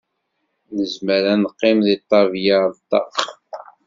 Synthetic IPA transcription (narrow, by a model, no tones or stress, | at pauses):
nəzməɾænəqːɪmðit̪ˤːɑvjɑɾˤt̪ːɑ̰χ